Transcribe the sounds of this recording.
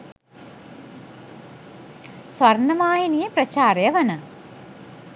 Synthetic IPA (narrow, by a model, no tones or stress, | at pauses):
sʋɐrnɐmaːjinijɐprɐt͡ɕaːɾɐjɐʋɐnɐ